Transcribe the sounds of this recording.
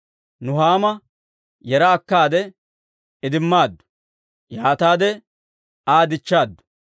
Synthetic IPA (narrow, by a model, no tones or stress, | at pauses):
nʊɦaːmɐ | jɛɾɐːkːaːd̪ɛ | ɪd̪ɪmːaːd̪ːʊ̥ | jaːt̪aːd̪ɛ | aːd̪ɪt͡ʃːaːd̪ːʊ̥